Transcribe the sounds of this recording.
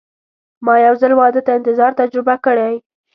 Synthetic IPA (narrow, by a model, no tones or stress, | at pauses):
mɑjawzalwɑd̪ət̪aɪnt̪ɪzɑɾt̪ad͡ʒɾɪbakəɽaj